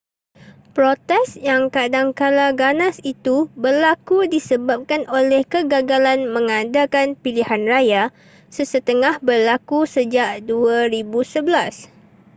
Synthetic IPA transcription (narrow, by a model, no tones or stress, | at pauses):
pɾot̪ɛsjaŋkadaŋkalaɡanãsit̪ubərlakudisəbap̚kanolɛhkəɡaɡalanmə̃ŋãdakanpilihanraja | səsət̪əŋahbərlakusəd͡ʒaʔduaɾibusəbəlas